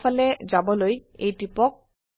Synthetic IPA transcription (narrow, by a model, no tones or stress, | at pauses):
fʰɔled͡ʒabɔlojejʈipɔk̚